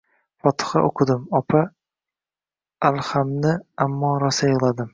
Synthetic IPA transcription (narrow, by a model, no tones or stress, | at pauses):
fɒt̪ʰɨ̥χa̰ʔoqʰɨd̪ɪmɒpʰa | alˠhamnɪamːɒɾasajɨlˠad̪ɪm